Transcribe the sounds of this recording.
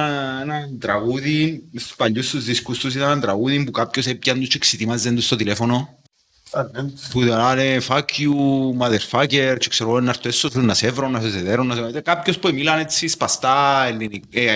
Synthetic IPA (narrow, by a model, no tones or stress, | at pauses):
enat̪ɾaɣuðiespaʎːust̪uzðiskust̪us̬it̪anant̪ɾaɣuðimpukap̚cos̬epjand̪ut͡ʃːeksit̪imazːend̪ust̪ot̪ilefono | puðalanefakjumaðeɾfaceɾt͡ʃekseɾɣoenːaɾt̪oesːofunːasevɾonːaseseðeɾonːaseekapçospuemilanet͡sːispast̪aelːinie